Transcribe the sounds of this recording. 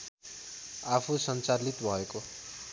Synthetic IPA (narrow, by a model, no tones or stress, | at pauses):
apʰusʌnt͡salit̪bʱʌeko